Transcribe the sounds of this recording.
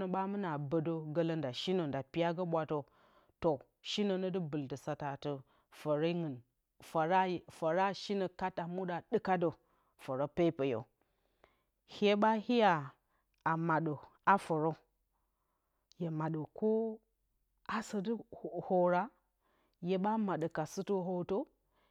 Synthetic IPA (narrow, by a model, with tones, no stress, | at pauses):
nə˨ɓa˦mɨ˦na˨bə˨do˦ɡə˦lə˦nda˨ʃi˦no˨nda˨pi˦ja˦ɡə˦ɓʷa˨to˨ | to˨ | ʃi˦nə˨nə˦dɨ˦bɨ˨ltə˨sa˨ta˨tə˨ | fə˨ɾə˦ŋɨ˨n | fa˨ɾa˦˨fə˨ɾa˦ʃi˦nə˨ka˦ta˨mu˦ɗa˨ɗɨ˦ka˦do˨ | fə˨ɾo˦pe˦pə˨jo̰˨ | he˦ɓa˦hi˦ja˨ | a˨ma˨ɗo˨ | a˦fə˨ɾo˦ | je˨ma˨ɗə˨ko˦ | a˨sə˨dɨ˦˨ho˨ɾa˦ | je˨ɓa˦ma˨ɗə˨ka˨sɨ˦tə˦ɦo˨to˦